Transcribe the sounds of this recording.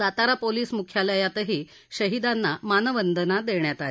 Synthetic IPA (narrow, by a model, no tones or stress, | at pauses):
at̪aɾapoliːsmukʰjaləjat̪əɦiː | ɕəɦid̪anːamanəʋənd̪ʱənad̪eɳjat̪al